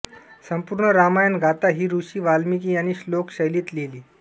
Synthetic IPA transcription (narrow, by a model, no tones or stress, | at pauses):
səmpuɾɳəɾamajənɡʱat̪aɦiːɾuɕiːʋalmik̬iːañiɕlokɕəjliːt̪leliː